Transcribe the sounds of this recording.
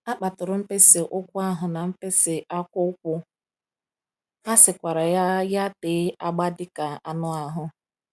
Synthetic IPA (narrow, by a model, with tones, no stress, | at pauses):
a˦k͡pa˨tʊ˨ɾʊ˨m̩˦pe˦se˨ʔʊ˦kʷʊ˦a˦ɦʊ˨na˨m̩˦pe˦sɪ˨ʔa˦kʷʊ˦ʊ˦k̚ʷʊ˦ | a˦sɪ˨kʷa˨ɾa˨ja˦ja˦teː˨˦a˦ɡ͡ba˦dɪ˦ka˨a˨nʊ˦a˨ɦʊ˦